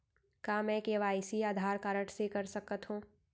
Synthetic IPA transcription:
kaːmɛ̃keːʋaːɪsiaːd̪ʱaːɾkaːɾəʈsekɐɾsɐkət̪ɦũː

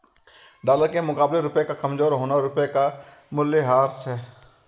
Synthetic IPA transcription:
ɖaːləɾkemʊkaːbleɾʊpekakɐmzoːɾɦoːnaɾʊpeka | mʊleɦaːɾsɦɛː

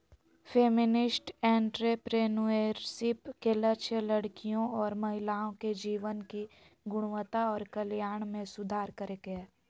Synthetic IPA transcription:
fʰeːmɪnɪsʈɛ̃ːɳʈɾepɾeːnueːɾsɪpkelɐt͡ʃʰəlɐɽkijõɔːɾmɐɦɪlaːõked͡ʒiːʋənki | ɡʊɽ̃wət̪aɔːɾkɐljaːɳ̃mẽsʊd̪ʱaːɾkəɾeɡeː

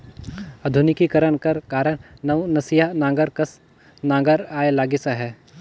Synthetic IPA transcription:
ɐd̪ʱʊnɪkikɐɾəɳkɐɾkaːɾəɽ̃nɐʋnɐsijanãːɡəɾkɐs | nãːŋɡəɾaːelaːɡɪsaɦɛː

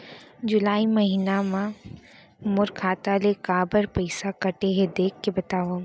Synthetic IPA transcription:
d͡ʑʊlaːimɐɦiːnamã | mʊɾkʰaːt̪alekaːbəɾpɐɪsakɐʈeɦed̪eːkʰkebɐt̪aːʋo

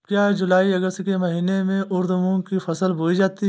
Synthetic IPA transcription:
kjaːd͡ʒʊlaːiɐɡəst̪kemɐɦiːnemẽʔʊɾd̪mõkifɐsəlboːid͡ʒaːt̪iɦ

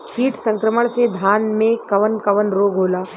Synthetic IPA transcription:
kiːʈsə̃ŋkɾəməɭ̃sed̪ʱaːnmẽkɐʋənkɐʋənɾoːɡɦoːlaː

